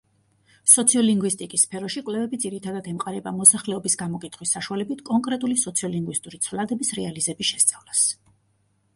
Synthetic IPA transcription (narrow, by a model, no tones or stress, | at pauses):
sɔt̪sʰiɔliŋɡwist̪ʼikʼisːpʰɛɾɔʃikʼwlɛvɛbid̪ziɾit̪ʰad̪ad̪ɛmqʼaɾɛbamɔsaχlɛɔbisɡamɔkʼit̪ʰχwisːaʃualɛbit̪ʰkʼɔŋkʼɾɛt̪ʼulisɔt̪sʰiɔliŋɡwist̪ʼuɾit̪sʰvlad̪ɛbisɾɛalizɛbiʃɛst̪sʼavlas